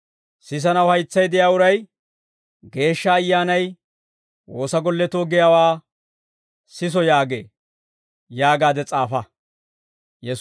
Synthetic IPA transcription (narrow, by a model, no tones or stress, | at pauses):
sɪs̬ɐnɐwhɐjt͡sːɐjd̪ɪjaːʊɾɐj | ɡe̞ːʃːɐːjːaːnɐj | woːsɐɡɔlːɛt̪oːɡɪjawaː | sɪs̬ɔjaːɡḛː | jaːɡaːd̪ɛt͡sʼaːfɐ | jɛ